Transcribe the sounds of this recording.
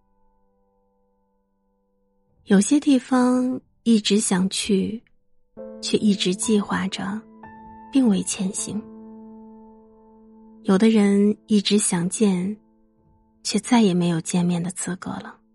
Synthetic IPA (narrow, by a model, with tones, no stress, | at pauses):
jo˨˩ʊɕjɛ˥t̪i˥˩fɑ˥ŋ | i˥˩ʈ͡ʂɻ̩˧˥ɕjɑ˨˩ŋt͡ɕʰy˥˩ | t͡ɕʰɥɛ˥˧ʔi˥˩ʈ͡ʂɻ̩˧˥t͡ɕi˥˧xwa˥˩ʈ͡ʂə˩ | pi˥˧ŋwe˥˩ɪt͡ɕʰjɛ˧˥nɕḭ˧˥ŋ | jo˨˩ʊd̪ə˦ɻə˧˥ni˥˩ʈ͡ʂɻ̩˧˥ɕjɑ˨˩ŋt͡ɕjɛ˥˧n | t͡ɕʰɥɛ˥˧t͡sa˥˩ɪjɛ˨˩me˧˥ɪjo˨˩ʊt͡ɕjɛ˥˧nmjɛ˥˩nd̪ə˩t͡sʰɹ̩˧˥kɤ̰˧˥lə˨˦